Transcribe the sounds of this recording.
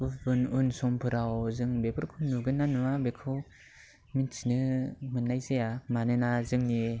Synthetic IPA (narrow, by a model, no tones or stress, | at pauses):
ubɯnunsɔmpʰɯɾawzɯŋbebɯɾkʰɯnuɡɯnːanwabekʰɯw | mint͡ʃʰinɯmɯnːajzejamanɯnazɯŋne